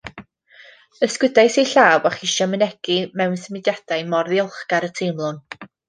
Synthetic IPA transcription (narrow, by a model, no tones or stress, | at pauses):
əskwɪdajsejɬaːwaχiʃamənɛɡ̥imɛwnsəmɪdjad̥ajmɔrðiɔlˠχɡ̥aɾətʰejmlˠʊn